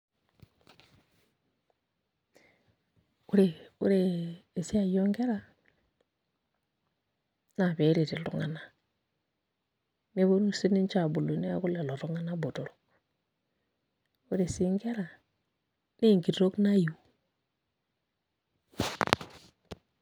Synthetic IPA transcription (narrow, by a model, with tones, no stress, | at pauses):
u˦ɾe˨ṵ˦ɾeː˨si˦a˨jo˦ŋɡe˦ɾa˦ | na˨be˨˦ɾe˨ti˨lṵ˦ŋa̰˨˦na˨ | ne˦βo˦nu˦˨si˦ni˦nt͡ʃa˦˨bu˨lu˨˦ne˦a̰˦ku˦le˨lo˨ɾu˦ŋa˦na˦bo˨do˨ɾo˨k | u˦ɾe˨si˦ŋɡe˦ɾa˨ | ne˦˨ŋɡi˨dɾo˦kna˦ju˨